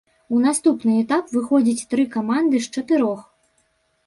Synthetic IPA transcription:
un̪ast̪upnɨɛt̪apvɨxɔd͡zʲit͡sʲt̪ɾɨkamand̪ɨʂt͡ʂɐt̪ɨɾɔx

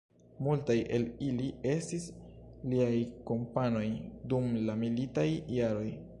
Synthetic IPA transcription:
multajʔe̞lilie̞stisliajko̞mpano̞jdumlamilitajːaɾo̞j

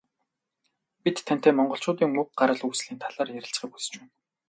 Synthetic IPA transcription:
pit̪ʰːæn̥t̪eːmɔɴɢɞ̆ɬt͡ɕʰʊːt̪iːŋmuk̚ɢaɾə̆ɮujsɮiːnt̪ʰaɮaːrjæɾʲɪ̆ɬt͡sχiːkusɘ̥̆t͡ɕpæːn

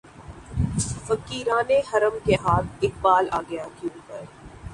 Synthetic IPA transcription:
fɐkiːɾaːnehɐɾəmkeɦaːt̪̚ʰɪk̚baːla̰ːɡɐjakiũːpəɾ

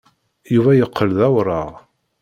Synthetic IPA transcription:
juvæjəqʰːəlðæwɾˤɑʁ

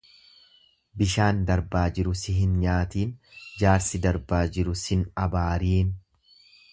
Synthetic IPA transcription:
bɪʃaːnd̪ɐɾbaːd͡ʒɪɾʊsɪɦɪnɲaːt̪iːnd͡ʒaːɾsɪd̪ɐɾbaːd͡ʒɪɾʊsɪnɐbaːɾiːn

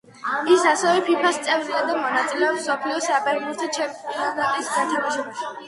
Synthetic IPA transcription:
isasɛvɛpʰipʰast̪sʼɛvziad̪amɔnat̪sʼilɛɔpsɔpʰliɔsapʼɛɾnusd̪at͡ʃʰɛaat̪ʼisɡʰat̪ʰɛbiʃ

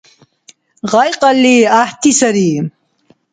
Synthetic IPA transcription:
ʁajqɑlːiaht̪isɐɾi

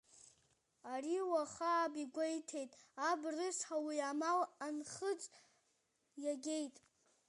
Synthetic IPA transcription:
ariwaχaːbiɡʷejtʰe̞jtʼabrɨʂħawiamalanχət͡sʼ | jaɡʲe̞jtʼ

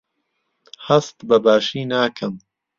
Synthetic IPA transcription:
hɐst̪bɐbaːʃiːnaːkʰɐm

